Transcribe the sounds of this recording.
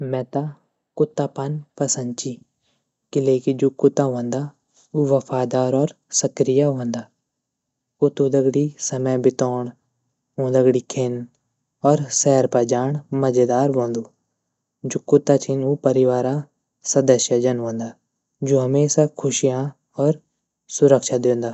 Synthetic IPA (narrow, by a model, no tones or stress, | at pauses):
mɛ̃ːt̪a | kʊt̪ːaːpənpəsə̃nd̪t͡ʃiː | kɪleːkid͡ʒoːkʊt̪ːãːɦõːnd̪aː | uːʋəfʰaːd̪aːɾɔːɾ | səkɾɪjaːɦõːnd̪aː | ʊt̪uːd̪əɡɽiːsəməbɪt̪ɔːɳ | õːd̪ɐɡɽiːkʰen | ɔːɾsɛːɾpəd͡ʒaːɳmɐd͡ʒed̪aːɾʋõːnd̪uː | d͡ʒoːkʊt̪ːat͡ʃʰɪnuːpəɾɪʋaːɾaː | sɐd̪əʃjad͡ʒɐnɦõːnd̪aː | d͡ʒoːɦɐmeːsakʰʊʃijã | ɔːɾ | sʊɾəkʃad̪ẽːnd̪aː